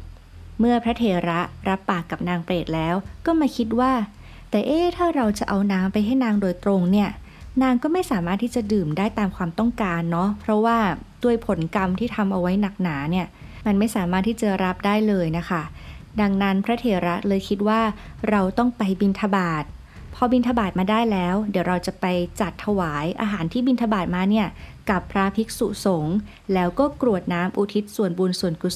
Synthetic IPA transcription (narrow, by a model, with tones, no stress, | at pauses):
mɯ˥˩ɐpʰɾa˦˥t̪ʰeː˧˩ɾa˦˥ʔɾa˦˥pːaː˨˩kːa˨˩p̚naː˧ŋpleː˨˩t̪̚lɛː˦˥wkɔː˥˩ma˥˩jkʰi˦˥t̪̬̚waː˥˩ | t̪ɛː˨˩ʔeː˥˩t̪ʰaː˥˩ɾa˧wt͡ɕa˨˩ʔa˧wnaː˦˥mpa˧jɦa˥˩jnaː˧ŋdoː˧jt̪ɾo˧ŋni˥˩ɐ | naː˧ŋkɔː˥˩ma˥˩jsaː˨˩˦maː˥˩t̪ʰːiː˥˩t͡ɕa˨˩dɯː˨˩mdaː˥˩jt̪aː˧mkʰwaː˧mt̪ɔ˥˩ŋkaː˧nːɔ˦˥pʰɾɔ˦˥waː˥˩d̥u˥˩əjpʰo˩˦nka˧mt̪ʰiː˥˩t̪ʰa˧mʔa˧wa˦˥jna˨˩k̚naː˩˦ni˥˩ɐ | ma˧nma˥˩jsaː˩˦maː˥˩t̪ʰːiː˥˩t͡ɕa˨˩ɾa˦˥p̚daː˥˩jlɤː˧jna˦˥kʰa˦˥˩da˧ŋna˦˥npʰɾa˦˥t̪ʰeː˨˩ɾa˦˥lɤː˧jkʰi˦˥t̪̚waː˥˩ | ɾa˧wt̪ɔ˥˩ŋpa˧jbi˧nt̪ʰa˧baː˨˩t̪̚ | pʰɔ˧˥bi˧nt̪ʰa˧baː˨˩t̪̚maː˧daː˥˩jlɛː˦˥wdi˩˦wɾa˧wt͡ɕa˨˩pa˧jt͡ɕa˨˩t̪ʰːa˧waː˩˦jʔa̰ː˧ɦaː˨˩˦nt̪ʰiː˥˩bi˧nt̪ʰa˧baː˨˩t̪̚maː˧ni˥˩ɐka˨˩pʰːɾa˦˥pʰi˦˥k̚sṵ˨˩so˨˩˦ŋ | lɛː˦˥wkɔː˥˩kɾu˨˩ə˩t̪̚naː˦˥mʔu˧t̪ʰi˦˥t̪̚su˨˩ənbu˧nsu˨˩ənku˨˩